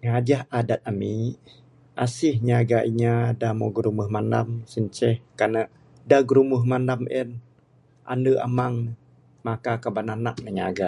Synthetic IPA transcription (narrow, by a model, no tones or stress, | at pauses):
ŋad͡ʒahadat̪̚ami | ʔasɪhɲaɡaʔiɲadamoɡɾuməhmanda̰msəɲt͡ʃɛhkanəʔ | daɡɾumuɦmandamʔɛn | ʔa̰ndəʔa̰maŋ | makakabananaʔ̚nəɲaɡa